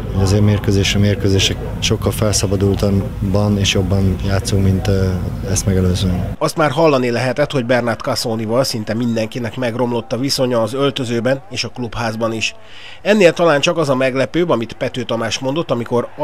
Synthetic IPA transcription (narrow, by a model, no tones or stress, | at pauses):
hoɟɒzeːɾmeːrkøzeːʃɛmeːrkøzeːʃɛk | ʃo̞kːɒlfɛlsɒbɒd̪ult̪ɒ | bɒneːʃjo̞bːɒnjaːt̪suŋkmint̪ | ɛst̪mɛɡɛløːzønɒst̪maːrɦɒlːɒnilɛɦɛt̪ɛt̪ho̞ɟbɛrnart̪kɒsoːnivɒlsint̪ɛmind̪ɛŋkinɛkmɛɡro̞mlo̞t̪ːɒviso̞ɲɒːzø̞lt̪ø̞zøːbɛneːʃɒkluphaːzbɒniʃ | ɛnːeːlt̪ɒlaːnt͡ʃɒkɒzɒmɛɡlɛpøːbɒmit̪pɛt̪øːt̪ɒmaːʃmo̞n̪d̪o̞t̪ːɒmiko̞ɾ